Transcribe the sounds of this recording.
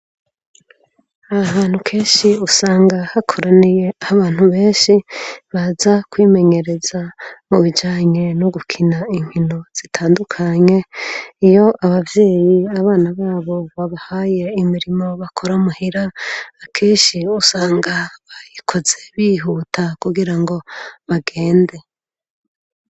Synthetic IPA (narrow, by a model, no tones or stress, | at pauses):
ahaːn̥ukʰe̞ːnʃiusaːŋɡahakʰo̞ɾanije̞ahaβaːn̥huβe̞ːnʃiβazakwiːme̞ɲe̞ɾe̞zamuβid͡ʒaːɲe̞noɡukʰinaiɲ̥hino̞z̥itʰaːndukʰaɲe̞ijo̞ʔaβavjeːjiaβaːnaβaːβo̞βaβahaje̞imiɾimo̞βakʰo̞ɾamuhiɾaːkʰeːnʃiusaːŋɡaβajikʰo̞ze̞βiːɦuːtʰakuɡiɾaŋɡo̞βaɡe̞ːnde̞